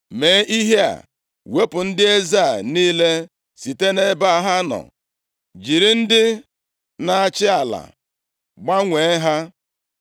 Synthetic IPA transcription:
me˨˦ʔi˦ɦe˦a̰˨ | we˦pʊ˨n̩˦dɪ˦e˦za˦˨niː˦le˦ | si˨te˦ne˦ba˦a˨ɦa˦nɔ̰˨ | d͡ʒi˨ɾi˦n̩˦dɪ˦ | na˨a˨t͡ʃɪ˦a˨la̰˨ | ɡ͡ba˦ŋʷe˨˦ɦa˦

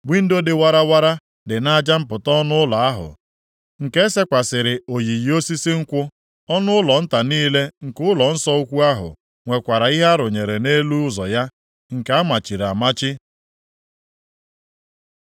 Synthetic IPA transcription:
ɡ͡bi˦n̩˦do˦dɪ˨wa˦ɾa˦wa˦ɾa˦ | dɪ˨na˦a˦d͡ʒa˦m̩˦pʊ˨tɔ˦nʊ˦ʊ˦lɔ˨a˦ɦʊ̰˨ | ŋ̩˨ke˦se˦kʷa˨sɪ˨ɾɪ˨o˨ji˨ji˨o˦si˦sɪ˦ŋ̩˦kʷʊ˦ | ɔ˦nʊ˦ʊ˦lɔ˨n̩˦ta˨niː˦le˦ŋ̩˨kʊ˦lɔ˨n̩˦sɔ˦o˦kʷu˦a˦ɦʊ̰˨ | ŋʷe˨kʷa˨ɾa˨i˦ɦa˦ɾʊ˨ɲe˨ɾe˨ne˦lu˦ʊ˦zɔ˨ja˦ | ŋ̩˨ka˨˦a˦ma˨t͡ʃi˨ɾa˨ma˦t͡ʃɪ˦

